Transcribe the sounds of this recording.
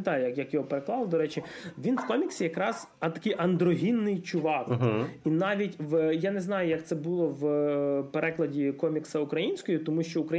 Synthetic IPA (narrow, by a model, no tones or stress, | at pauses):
t̪ɑjjɐkjɐkjɔɦɔpeɾeklˠɑlˠd̪ɔɾɛt͡ʃɪʋʲinwkɔmʲiksʲijɐkɾɑz̥ | ɐt̪ɐ̥kɪjʔɐnd̪ɾɔɦʲinːɪjt͡ʃʊʋɑkɦinɑʋʲitʲʋjaneznɑjʊjɐkt̪sɛbulˠɔwpeɾɛklˠɐdʲikɔmʲiksɐʊkɾɐjinʲsʲkɔjit̪ɔmuʃt͡ʃɔʊkɾɐ